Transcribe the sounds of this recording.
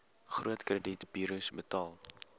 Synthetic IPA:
χruətkrəditb̥iːɾusbətɑːlˠ

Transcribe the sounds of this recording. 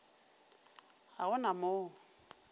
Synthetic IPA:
haɣʊnamoː

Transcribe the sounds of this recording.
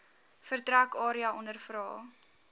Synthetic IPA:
fərtrækɑːɾiɐʔɔnərfɾɑː

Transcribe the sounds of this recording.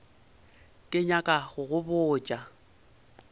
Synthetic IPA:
kʼɪɲakʼaɣʊɣʊbʊːt͡ʃʼa

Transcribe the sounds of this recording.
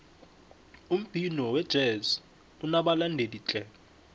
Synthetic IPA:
um̩b̥ʱinɔwɛd̥ʒ̥ʱɛzi | unaɓalandʱeliːt͡ɬʼɛ

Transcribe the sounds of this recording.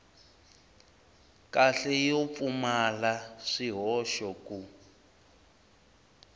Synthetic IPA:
kʼaɬɛjɔp̪fumalaʂiɦɔʃɔku

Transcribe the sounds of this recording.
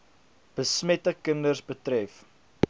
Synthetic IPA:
b̥əsmɛtəkəndərsbətrɛf

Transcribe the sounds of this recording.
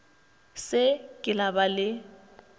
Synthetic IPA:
sɪkʼɪlabalɪ

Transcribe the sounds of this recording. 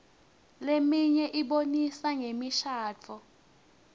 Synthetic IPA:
lemiɲɛʔiɓonisaŋemiʃaːt͡fʰɔ

